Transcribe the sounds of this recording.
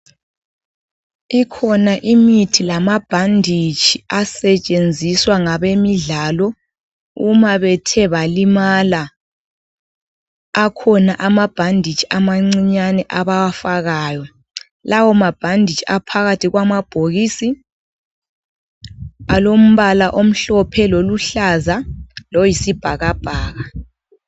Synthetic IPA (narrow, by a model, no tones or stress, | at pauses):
ikʰɔnaʔimitʰilamab̥ʱandʱit͡ʃʰʼiasɛt͡ʃʼend͡zʱiswaŋaβemiɮalɔ | umaβɛtʰɛβalimala | kʰɔnaʔamab̥ʱandʱit͡ʃʰʼi̥amaŋ͡ǀiɲanɛʔaβawafaɣaːjɔ | lawɔmab̥ʱandʱit͡ʃʼiapʰaɣatʰiɣwamab̥ʱoɣiːsi | alom̩βalaʔom̩ɬɔpʰɛloluɬazalɔjisib̥ʱaɣab̥ʱaːɣa